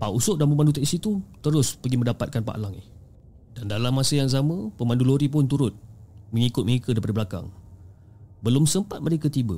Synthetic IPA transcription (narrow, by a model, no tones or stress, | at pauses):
paʔusʊʔ̚dampəmandut̪ɛʔsit̪ut̪əɾʊspəɡimə̃ndapat̪̚kanpa̰ʔlaŋɪ̰h | dandalamːasəjaŋzamə̃pəmãnduloɾip̬ʊnt̪uɾʊt̪̚məŋikʊt̪̚məɾikədaipadəbəlaka̰ŋ | bəlʊmsəmpat̪̚məɾekət̪ibə